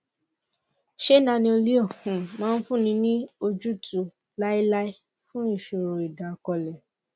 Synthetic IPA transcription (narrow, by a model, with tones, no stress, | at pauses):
ʃe˦nã˧nĩ˧o˧li˦ɔ˦˨hũ˨mãː˦n̩˦fũ˦˨nĩ˧nĩ˦o˧d͡ʒu˦tu˨ | la˦i˦la˦i˦ | fũ˦i˦˨ʃo˧˨ɾo˨i˨da˨kɔ˧lɛ˨